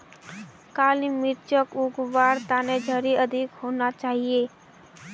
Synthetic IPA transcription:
kaːlimɪɾt͡ʃəkʊɡʋaːɾt̪aːned͡ʒʱəɾiəd̪ʱɪkhoːnat͡ʃaːɦieː

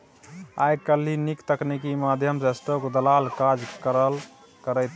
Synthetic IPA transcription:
a̰jkəlinikt̪əknikimad̪ʱjəmsesʈokd̪əlalkad͡ʒkəɾəl | kəɾət̪

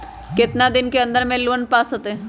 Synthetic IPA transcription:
kɪt̪nad̪ɪnkeə̃nd̪əɾmẽluənpaːsɦot̪e

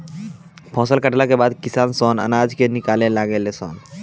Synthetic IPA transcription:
pʰɔ̃səlkaʈlakebad̪kisansɔna̰nad͡ʒkenikalelaɡelesɔ̰n

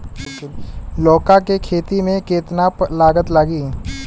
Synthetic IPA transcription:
lɔːkakekʰeːt̪imẽkeːt̪naːplaːɡət̪laːɡiː

